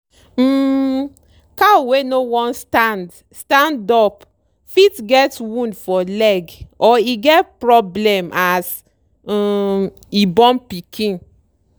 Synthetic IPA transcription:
kawenowɔ̃nstand | stãndɔp | fitɡɛtwũndfɔlɛɡɔiɡɛt̚pɹɔblɛ̃mʔas | ibɔ̃mpikʰĩn

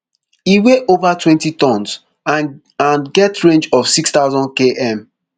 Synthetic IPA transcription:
iweʔovatwɛ̃ntitɔ̃ns | ã | ãnɡɛtɹẽnd͡ʒɔv̥sikst̪aʊzɔ̃nd̚keʔɛ̃m

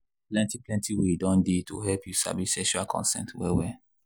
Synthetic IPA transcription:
plɛ̃ntiplɛ̃ntiwedɔ̃ndetʰo̰ɦɛlpʰjusa̰bisɛʃuakʰɔ̰̃nsɛ̰̃ntwɛwɛ

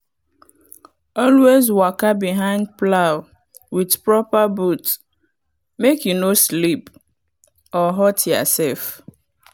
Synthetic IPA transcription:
ɔlwezwakabiɦãɪ̃nd̚plaʊ | widpɹɔpabut | mekjunoslip | ɔɦɔtʰjɔ̰sɛlf

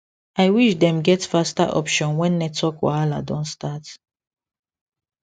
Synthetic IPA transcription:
aɪwiʃdɛ̃mɡɛtfasta̰ʔɔpʃɔ̃nwɛ̃nːɛtʰɔkwa̰ala̰dɔ̃ntstat

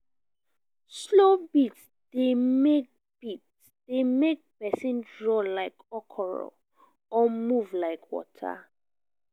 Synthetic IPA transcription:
slobits | d̥emek̚ | b̥it | d̥emek̚pɛsĩndɹɔlaɪkʰɔkʰɔɹɔ̰ | ɔmuvlaɪkʰwɔ̰tʰa̰

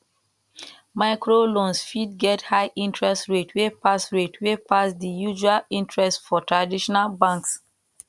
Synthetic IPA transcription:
maɪkɹolõnsfid̚ɡɛthaɪʔĩntʰɹɛstɹetwepasɹetʰwepasdijuʒualĩntʰɹɛstfɔtɹadiʃɔnalbãŋks

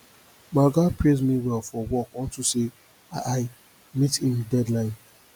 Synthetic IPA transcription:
maɡapɹɾezmiwɛlfɔwɔkɔ̃ntuse | aʔaɪ | mitĩndɛdlãɪ̃n

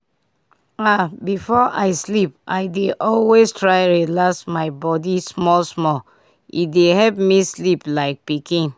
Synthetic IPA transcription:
abifɔʔaɪslipʔaɪdeʔɔlwestɹaɪɹilaksmaɪbɔdismɔlsmɔl | ḭdehɛlp̚misliplaɪk̚pikĩn

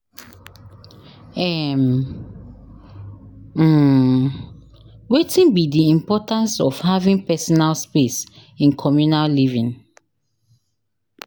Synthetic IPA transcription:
ɛm | wetʰĩnbidiĩmpɔtãnsɔfhavĩŋpɛsɔnalspesĩnkʰɔmjunallivĩn

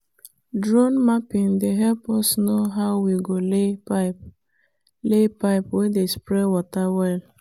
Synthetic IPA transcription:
dɹɔ̃nmapĩndeɦɛlpɔsnoɦaʊwiɡoleaɪp | lepaɪpwedespɾɛwɔtawɛl

